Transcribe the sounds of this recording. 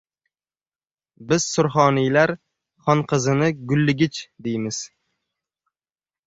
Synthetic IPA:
bɪz̥sʊɾχɒnijlaɾ | χɒnqʰɨzɪnɪɡʊlːɪɡʲɪt͡ʃd̪ejmɪz̥

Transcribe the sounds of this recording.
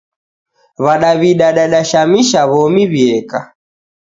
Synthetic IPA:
βaɗaβiɗaɗaɗaʃamiʃaβɔmiβiɛka

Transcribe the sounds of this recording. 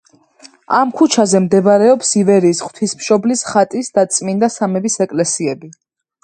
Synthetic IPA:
amkʰut͡ʃʰazɛmd̪ɛbɾɛɔpsivɛɾiːsχwt̪ʰismʃɔblisχat̪ʼisd̪at̪sʼmind̪asamɛbisɛkʼlɛsiɛbi

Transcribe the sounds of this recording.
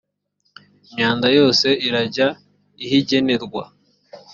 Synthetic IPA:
imɲaːndajo̞ːse̞iɾaɟa | ihiɟe̞ne̞ɾɡwa̰

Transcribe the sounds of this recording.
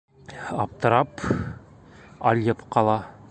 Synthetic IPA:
ɑp̚t̪ɤ̆ɾɑp | ɑ̰lʲjɤpqɑlˠɑ

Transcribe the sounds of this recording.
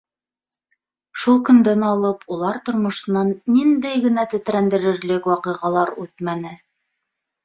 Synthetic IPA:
ʃulˠkɵ̆nd̪ænɑlˠɤpʰulˠɑɾt̪ŏɾmŏʃɤ̆nɑnːind̪æjɡɘ̆næt̪ɘ̆t̪ɾænd̪ɘ̆ɾɘ̆ɾlɘkwɑqɤ̆jʁɑlˠɑɾʉt̪mænɘ

